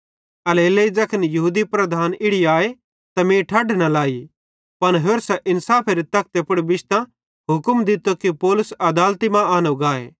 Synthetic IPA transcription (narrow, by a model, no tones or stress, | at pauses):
ɐleːleːid͡ʒɐkʰənjɐɦuːd̪ipɾɐd̪ʱaːnɪɽiaːe | t̪ɐmẽːʈʰaːɖnɐlaːi | pɐnɦoːɾsɛʔɪnsaːpʰeɾit̪ɐk̚ʰt̪epʊɽbɪʃt̪ã | ɦʊkmd̪ɪt̪okipɔːlʊsɐd̪aːlt̪imãaːnoɡaːḛː